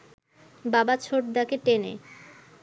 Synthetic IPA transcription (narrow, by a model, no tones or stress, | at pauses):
babat͡ɕʰoʈ̚d̪akeʈenḛ